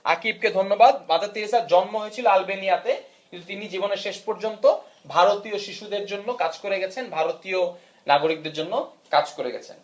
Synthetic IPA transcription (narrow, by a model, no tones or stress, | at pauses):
a̰kib̚ked̪ʱonːobad̪̚bad̪at̪ːiɾisaɾd͡ʑɔnmoɦojet͡ɕʰiloalbenijat̪ekint̪ut̪inid͡ʑiboneɾʃeʃpoɾd͡ʑont̪o | bʱaɾot̪ioʃiʃud̪eɾd͡ʑonːokad͡ʑkoɾeɡɛt͡ɕʰenbʱaɾot̪io | naɡoɾik̚d̪eɾd͡ʑonːokad͡ʑkoɾḛɡɛ̰t͡ɕʰḛn